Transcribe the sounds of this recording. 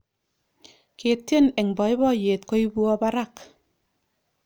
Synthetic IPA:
ke˨tje˦ne˨ŋbɔ˨i˦bɔ˦˨je˨t̚kɔ˦i˦bu˦ɔ˦ba˦ɾa˦˨k

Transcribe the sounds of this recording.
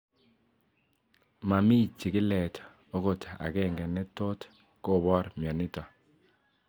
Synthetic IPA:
ma˨mi˦t͡ʃːi˨kɪ˦lɛ˨t | o˦ko˨ta̰˨kɛ˦ŋɡɛ˨nɛ˦to˦t | ko˦˨βɔ˦ɾmjɔ˨nɪ˦tɔ˨

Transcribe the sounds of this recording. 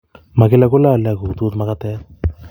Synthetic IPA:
ma˨ki˦la˦ku˦la˦˨la˨ku˨t̪u˦t̪ma˦kat̪ɛ˦ɾ

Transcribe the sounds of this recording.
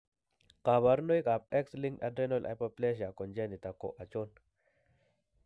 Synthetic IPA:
ka˨βa˨ɾno˦jkʼa˨p̚ɛ˦ksli˦ŋɡɗa̰˨dɾe˦no˦lʔa̰˨po˦ple˦ʃ̬a˨ko˨nd͡ʒe˦ni˨t̪a˨kːo̰˨ʔa˨t͡ʃo˦n

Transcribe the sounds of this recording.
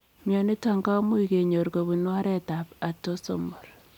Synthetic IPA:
mja˨ni˦ta˨ŋɡa˦mu˦i˨ke˨ɲo˨ɾko˨bu˨nwa˦ɾɛ˦ta˨pa˨to˦so̰˦mɔ˨r

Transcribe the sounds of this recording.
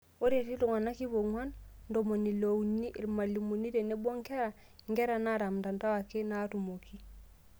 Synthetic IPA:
o˦ɾe˨ti˦lu˨ŋa˨na˦ki˦βo˨ŋwa˦nndo˨mo˨ni˨lo˨wni˦ʔi˨lma˨li˨mu˨ni˦ɾe˨ne˦bo˦ŋke˦ɾa˨ | ŋɡe˦ɾa˨na˦ɾa˨mda˨nta˦wa˨ke˦na˦tu˨mo˨ki˦

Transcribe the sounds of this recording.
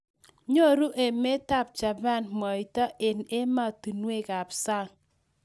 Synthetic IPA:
ɲo˦ɾu˦ʔe˨me˦ta˦˨p̚t͡ʃa˨ba˦˨nmɔ˨i˨tɔ˦ʔe˨ne˦ma˦˨tu˨nwe˦˨ka˨psa˦˨ŋ

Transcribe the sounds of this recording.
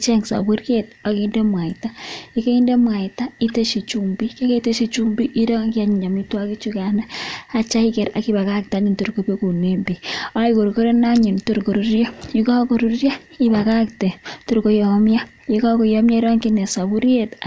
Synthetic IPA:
t͡ʃe˦ŋsa̰˨bu˦ɾje˦ta˨ki˦nde˦mwa˨ta˦ji˦ke˦i˦nde˦mwa˨ita˦i˦te˦ʃi˨t͡ʃu˨mbi˦ke˦ke˦ite˦ʃi˨t͡ʃumbi˦ʔi˦ɾo˦ŋkia˨ɲ˨ɲa˨mitwa˦ki˦t͡ʃu˦ka˨na˦a˦t͡ʃa˦i˦kɛ˨ɾa̰˦ki˦ba˨ka˦k̚ta˨˦ɲi˦ntu˨ɾko˨pe˦ku˨ne˨mbi˨a˦i˦ko˨ɾko˦ɾe˦na˦ɲi˨nto˨ɾko˨ɾu˦ɾja˦jikɔ˦ko˨ɾuɾja˦ | i˦ba˨ka˦kte˨to˨ɾko˨jɔ˨mja˦ | ji˦kɔ˦ko˨jɔ˦mja˦i˦ɾɔ˦ŋki˦nɛ˨sa˨βu˦ɾje˦t

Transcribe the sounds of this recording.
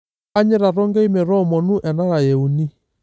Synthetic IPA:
a˦ɲɛ˦ɾa˨ɾɔ˦ŋɡɛ˦i˦mɛ˨ɾɔ˦˨mɔ˨nu˦ʔɛ˨na˦ɾa˨jɛ˨u˨ni˦

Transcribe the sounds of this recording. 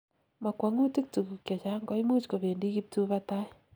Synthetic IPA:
ma˨kwa˨ŋu˦ti˦k̚tu˨ku˨kja˨t͡ʃa˦ŋɡɔ˦jmu˦t͡ʃko˨be˨ndi˦ki˦p̚tu˦βa˦ta˦

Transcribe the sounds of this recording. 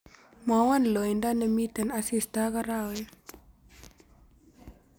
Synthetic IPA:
ma˨wa˦n˨lo˨jnda˦nə˨mi˦tə˨na˨si˦˨sta˦ɣa˦ɾa˦˨we˦

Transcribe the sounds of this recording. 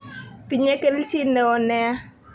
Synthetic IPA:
ti˨ɲɛ˦kɛ˦lt͡ʃi˦nɛ˨ɔ˨nɛ˦a˦

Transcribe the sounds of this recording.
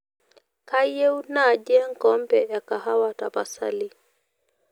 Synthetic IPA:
ka˦jɛ˦wu˦na˦˨d͡ʒɛ˦ŋ˦kɔm˦pɛ˨ʔa˨ka˨ha˦wata̰˨pa˨sa̰li˦

